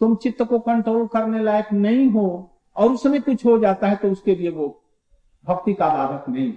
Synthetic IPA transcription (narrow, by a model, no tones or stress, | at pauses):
t̪ʊmt͡ʃɪt̪ːəkokə̃ɳʈɾoːlkɐɾnelaːjəknɐɦĩɦo | ɔːɾʊsmẽkʊt͡ʃʰɦod͡ʒaːt̪aɦɛt̪oʊskelieʋo | bʱɐkt̪ikad̪aːd̪ək̪nɐɦĩɦ